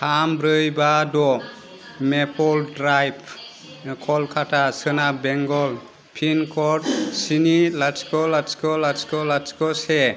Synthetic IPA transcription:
kʰambɾɯjbadɔ | mepʰɔldɾajp | kʰɔlkʰatʰasɯnabeŋɡɔl | pʰinkʰɔt̚sinilaskɔlaskɔlaskɔlat͡ʃkɔse

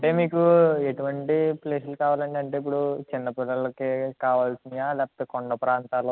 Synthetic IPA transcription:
ɐɳʈe̞ːmiːkueʈuʋɐɳʈipleːslukaːʋaːlɐɳʈeɐɳʈeːip̬ːuɽut͡ʃinːɐpilɐlɐkekaːʋaːlsind̪ijaːlɛːpɐt̪ekoɳɖɐpɾaːnt̪aːlo

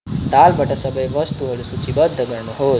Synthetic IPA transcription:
t̪albʱəʈasəbəjʋəst̪uɦolusut͡ʃʰibəd̪ʱːəɡəɾnuɦo

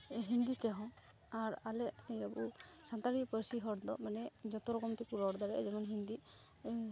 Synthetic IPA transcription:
ɦind̪it̪ɛɦɔ̃ | aɾalɛʔəbusant̪aɾipəɾsiɦɔɽd̪ɔmanɛd͡ʒɔt̪ɔɾɔkɔmt̪ikuɾɔɾd̪aɾɛd͡ʒɔmanɦind̪i

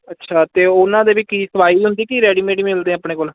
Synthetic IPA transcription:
ətːʃʰaːt̪eːʊnãːd̪eːʋiːkiːsəʋaːiːɦʊnd̪iːkiːɾɛːɽiːmeːɖiːmɪld̪ẽːəpɳeːkoːl

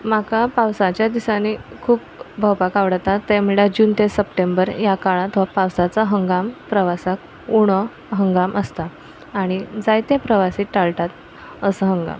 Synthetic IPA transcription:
makapawsat͡ɕjad̪isanikʰuːpbʱəwpakaʋɽət̪at̪ːem̤uɭad͡ʑuːnt̪esəpʈembəɾjakaɭãt̪ɔʋapawsat͡saɦəŋɡampɾəʋasak | uɽ̃ə | ɦəŋɡamʔəst̪a | aɽ̃id͡zajt̪ẽpɾəʋasiːʈaɭʈat̪ | əsəɦəŋɡa̰m

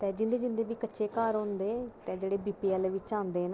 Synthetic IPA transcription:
t̪ɛ̃ːd͡ʒɪnd̪eːd͡ʒɪnd̪eːʋiːkətːʃeːkaːɾɦõːnd̪eːt̪ɛ̃ːd͡ʒeːɽeːbiːpiːɛːlʋɪt͡ʃãːnd̪eːn

